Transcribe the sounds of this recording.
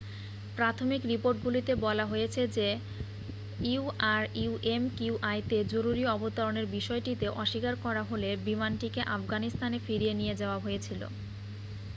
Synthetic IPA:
pɾat̪ʰomikɾipoɾʈ̚ɡulit̪ebɔlaɦojet͡ɕʰed͡ʑe | iuaɾiuʔemkiuʔajt̪ed͡ʑoɾuɾiɔbot̪aɾoneɾbiʃɔeʈit̪eʔɔʃikaɾkɔɾaɦolebimanʈikeʔafɡanist̪anefiɾienijed͡ʑɛoaɦojet͡ɕʰilo̰

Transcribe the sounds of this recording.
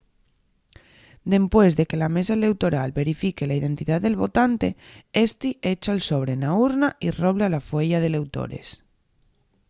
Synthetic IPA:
d̪e̞mpwezðeke̞lamesaele̞wt̪oɾalβe̞ɾifikelaið̞e̞nt̪iðaðelβ̞o̞t̪ant̪e̞est̪iet͡ʃaelsoβ̞ɾenauɾnairoβ̞lalafweʎað̞ele̞wt̪o̰ɾḛs

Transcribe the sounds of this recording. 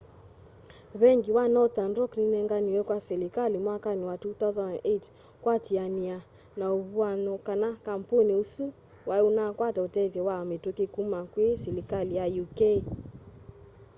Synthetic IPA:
βɛŋɡiwanɔt̪anrɔkninɛŋɡaniwɛkwasɛlikalimwakaniwatut̪awzananʔet | kwatiania | nauβuanɔkanakam̩puniusu | waunakwatɔtɛðɛwametokekumakwesɛlikalijajukɛi

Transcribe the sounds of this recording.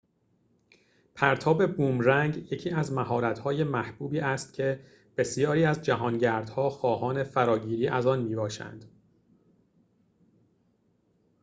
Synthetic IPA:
pʰæɾt̪ʰɒːbe̞buːmɾæŋɟje̞cʰiːæzmæɦɒːɾæt̪hɒːje̞mæhb̥uːbiːʔæst̪cʰe̞ | b̥e̞sijɒːɾiːæzd͡ʒæɦɒːnɟæɾd̪̥hɒːxɒːhɒːne̞fæɾɒːɟiːɾiːʔæzɒːnmiːbɒːʃæ̰nd̪̥

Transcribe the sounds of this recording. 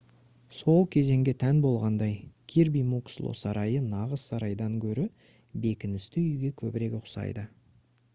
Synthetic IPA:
so̞lˠkʲʰe̞ze̞ŋɡʲe̞t̪ʰænbo̞lˠʁɑnd̪ɑjkʲʰiɾbijmukslˠo̰sɑɾɑjənɑʁəssɑɾɑjd̪ɑŋkʲʰɵɾɪ | be̞kʲɪnɪst̪ɪʏjɡʲe̞kʲʰɵbɪɾe̞kʲʊqsɑ̰jd̪ə

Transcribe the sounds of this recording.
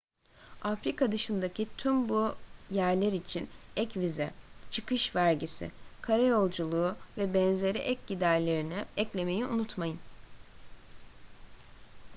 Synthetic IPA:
afɾikʰad̪ɯʃɯnd̪acʰit̪ʰymbujæɾlʲeɾit͡ʃʰinɛcvizɛt͡ʃʰɯkɯʃvæɾɟisɪ̰kʰaɾajo̞lˠd͡ʒulˠuːvɛbɛnze̞ɾḭʔɛc̚ɟid̪æɾlʲe̞ɾinɪɛclʲe̞me̞jiṵnut̪majɯn

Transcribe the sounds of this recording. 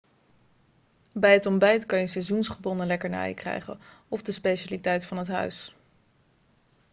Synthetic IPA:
bɛjɦətɔmbɛjtkɑnjəsɛzunsχəbɔnəlɛkəɹna̰ːjkrɛ̰jχə̰nɔvdəspejʃaːlitɛjtfɑnɦətɦœ̰ɥs

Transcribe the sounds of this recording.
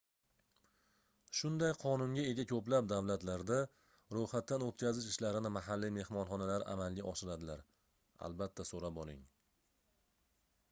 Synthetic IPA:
ʃʊnd̪ajqʰɒnʊŋɡʲae̞ɡʲakʲʰɵplap̚d̪avlat̪laɾd̪a | ɾohat̪ːanot̪kʲʰazɪʃɪʃlaɾɪnɪmaɦalːime̞hmɒnχɒnalaɾʔa̰malˠɡʲaʔɒʃɪɾad̪ɪlaɾ | a̰lbat̪ʰːasoɾapɒlˠɪŋ

